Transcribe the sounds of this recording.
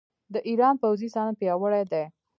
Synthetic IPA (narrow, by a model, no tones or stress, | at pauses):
d̪əʔiɾɑnpawzisɑnapjɑwəɽad̪e